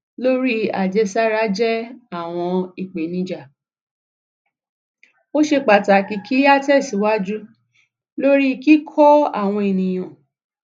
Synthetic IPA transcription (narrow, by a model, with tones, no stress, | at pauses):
lo˦ɾi˦a̰˨d͡ʒɛ˧˦sa˦ɾa˨˦d͡ʒɛ˦a˦˨w̃ɔ̃˧i˨k͡pe˨nĩ˧˦d͡ʒa˨ | o˦ʃe˧k͡pa˨ta˨ki˧kʰi˦a˦tɛ˦˨si˨˦wa˦d͡ʒu˦ | lo˦ɾi˦ki˦kʰɔ˦a̰˦˨w̃ɔ̃˧e˨nĩ˨j̃ã˨